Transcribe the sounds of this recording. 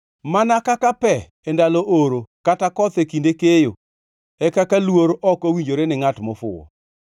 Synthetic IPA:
manakakapɛ | endalɔʔoɾokatakɔt̪ekindekejo | ɛkakalwoɾɔkowiɲd͡ʒoɾenɪŋatmɔfʊ̰wɔ̰

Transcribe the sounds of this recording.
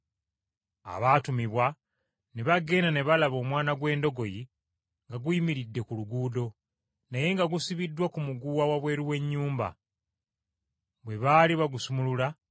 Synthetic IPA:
a̰βaːtumiβwa | ne̞βaɡe̞ːnane̞βalaβo̞ːmwaːnaɡwe̞ːndo̞ɡo̞ji | ŋɡaɡuimiɾidːe̞kuluɡuːdo̞ | naje̞ŋɡaɡusiβidːwakumuɡuwawaβwe̞ːɾuwe̞ɲːuːmba̰ | βwe̞βaːliβaɡusumulula

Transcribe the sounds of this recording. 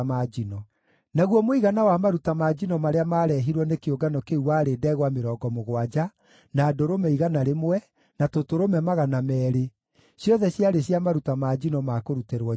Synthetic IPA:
mad͡ʒinɔ | naɣwɔmoiɣanawamaɾutamad͡ʒinɔmaɾeamaɾɛɦiɾwɔnekeoɡanɔkeuwaːɾeːdɛɣwameɾɔːɡɔmoɣwad͡ʒa | naːdoɾomɛiɣanaɾemwɛ | natotoɾomɛmaɣanamɛːɾe | sjɔðɛɕjaɾeɕjamaɾutamad͡ʒinɔmakoɾuteɾwɔ

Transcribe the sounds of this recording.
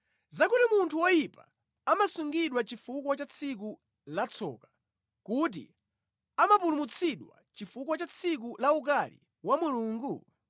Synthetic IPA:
zakutimuntʰuwɔjipa̰ | amasuŋɡiɗwat͡ʃifukwat͡ʃat͡sʰik̬u | lat͡sʰɔ̰ːkḁ | kut̬ḭ | amapulumut͡sʰiɗwa̰t͡ʃifukwat͡ʃat͡sʰik̬ulauk̬alḭ | wamuluːŋɡu

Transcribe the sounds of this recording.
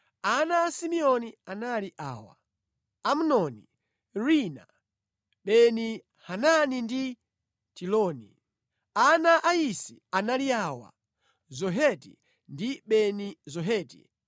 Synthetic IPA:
anaːsimiɔnianaliʔaːwa̰ | am̩nɔni | ɹina̰ | ɓɛni | hananindi | tilɔːnḭ | anaʔaisianaliaːwa̰ | zɔɦɛtḭ | ndiɓɛnizɔɦɛːtḭ

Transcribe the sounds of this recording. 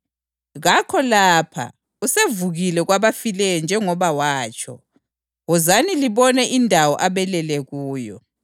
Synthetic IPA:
ɣakʰɔlaːpʰa̰ | usevuɣilɛɣwaβafilɛjɔnd͡ʒʱɛŋɔβawaːt͡ʃʰʼɔ̰ | ɣɔzaniliβɔnɛʔindʱawɔʔaβɛlɛlɛɣuːjɔ

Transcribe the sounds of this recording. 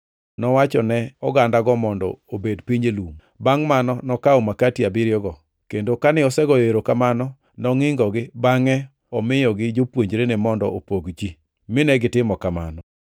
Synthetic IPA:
nɔwat͡ʃɔnɛɔɡandaɡɔmɔndɔ̰obedpiɲelum | baŋmanɔnɔkaomakatiabɪɾjɔɡɔ | kendokanɪɔsɛɡɔjeɾokamanɔ | nɔŋɪŋɡɔɡɪbaŋɛ | ɔmɪjɔɡɪd͡ʒopwoɲd͡ʒɾenemɔndɔopoɡd͡ʒi | mɪnɛɡɪtɪmɔkama̰nɔ

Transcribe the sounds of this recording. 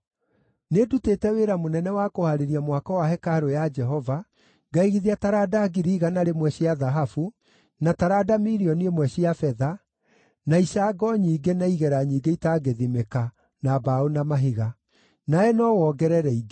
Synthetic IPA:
nedutetɛweɾamonɛnɛwakohaɾeɾiamwakɔwaɦɛkaɾojad͡ʒɛɦɔva | ɡaiɣiðiataɾadaɡiɾiɣanaɾemwɛɕiaðaɦafu | nataɾadamiɾiɔniemwɛɕiafɛða | naisaɡɔɲiːɡenaiɣɛɾaɲiːɡeitaɡeðimeka | nabaonamaɦiɣa | naɛnɔwɔːɡɛɾɛɾɛiɡe

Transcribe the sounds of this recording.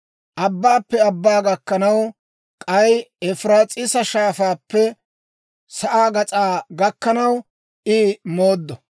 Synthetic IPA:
ʔɐbːaːpːɛɐbːaːɡɐkːɐnɐw | kʼɐjɛfɾaːt͡sʼɪsɐʃaːfaːpːɛ | sɐʔaːɡɐt͡sʼaːɡɐkːɐnɐw | ʔɪmo̞ːd̪ːɔ

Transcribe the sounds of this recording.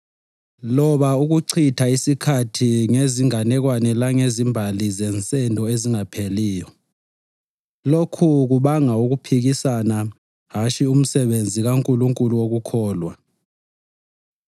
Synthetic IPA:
lɔɓauɣ̬uǀʰitʰaisikʰatʰiŋeziŋanɛɣ̬wanɛlaŋezimbʱalizɛnt͡sʼɛndʱɔeziŋapʰeliːjɔ | lokʰuɣ̬uɓaŋauɣ̬upʰiɣisana | ɦat͡ʃʰium̩sɛɓend͡zʱiɣaŋkʼuluŋkʼuluwoɣukʰɔːlwa̰

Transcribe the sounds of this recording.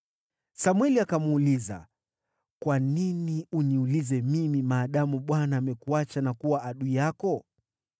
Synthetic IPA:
samwɛliakamuliza̰ | kwaniniuniulizɛmimimaːɗamuɓwanaːmɛkuat͡ʃanakuwaaɗuijakɔ

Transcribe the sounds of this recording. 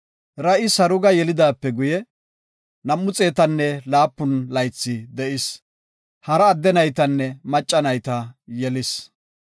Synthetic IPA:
ɾɐʔɪsɐɾʊɡɐjɛlɪd̪aːpːɛɡʊjɛ | nɐmːʊt͡sʼe̞ːt̪ɐnːɛlaːpːʊnlɐjt͡sːɪd̪ɛʔɪs | hɐɾɐːd̪ːɛnɐjt̪ɐnːɛmɐt͡ʃʼːɐnɐjt̪ɐjɛlɪs

